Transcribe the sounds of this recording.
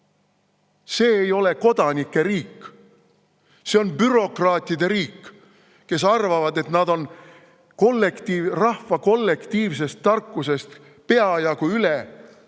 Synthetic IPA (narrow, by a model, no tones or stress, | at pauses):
se̞ːjo̞le̞ko̞d̪̥ɑnikːe̞ɾiːkː | se̞o̞nbyɾo̞krɑːt̪ʲˑid̪e̞ɾiːkː | ke̞s̬ɑrvɑvɑd̪e̞t̪nɑd̪̥o̞n | kolːekt̪irɑhvɑko̞lːe̞kt̪iːvs̬e̞st̪ːɑrkˑːuse̞st̪ | pe̞ɑjɑkuyle